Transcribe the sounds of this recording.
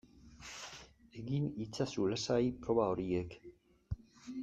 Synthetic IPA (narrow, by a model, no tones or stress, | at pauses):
eɣinit͡sasulasajpɾo̞βao̞ɾiek